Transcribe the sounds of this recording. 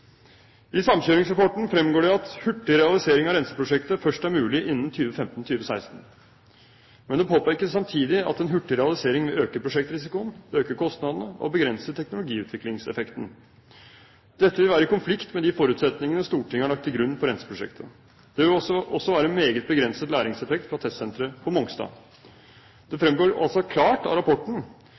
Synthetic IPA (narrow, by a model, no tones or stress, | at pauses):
ɪsɑmɕøːɾɪŋsɾɑpɔʈɳ̩fɾɛmɡoːɖɛɑt̪hʉʈːɪɾɛɑlɪseːɾɪŋɑɾɛnsə̥pɾʊʂɛkt̪əfœʂʈæɾmʉːlɪʔɪnːən̩t̪ʰyːʋəfɛmt̪n̩t̪ʰyːʋəsæɪst̪n̩ | mɛnd̪ɛpʰoːpæɾkəssɑmt̪ʰiːd̪ɪɑ̰t̪ɛnɦʉʈːəɾɛɑlɪseːɾɪŋʋɛøːkəpʰɾʊʂɛk̚t̪ɾɪs̬ɪkʊnøːkəkʰɔst̪nɑd̪ənəʔɔ̰bəɡɾɛnsət̪ʰɛknʊlʊɡiːʉːt̪ʋɪklɪŋsɛ̰fɛkt̪n̩ | d̪̥ɛt̪ːəʋɪlʋæːɾəɪkʊnflɪkt̪mɛd̪ɪfɔɾʉːt̪sɛt̪nɪŋənəst̪uːʈɪŋːəhɑɭɑk̚t̪ʰːɪlɡɾʉnːpɔɾɛnsə̥pʰɾʊʂɛ̰kt̪ʰə | d̪̥ɛʋɪlɔʔɔsːɔʋæːɾəmeːɡət̪̚bəɡɾɛnsət̪læːɾɪŋsɛfɛkt̪fɾɑt̪ʰɛssɛnt̪ɾəpʰɔmɔŋst̪ɑ̰ː | d̪̥ɛfɾɛmɡoːɾɔ̰lsɔkʰlɑːʈɑ̰ɾɑpʰɔʈɳ̩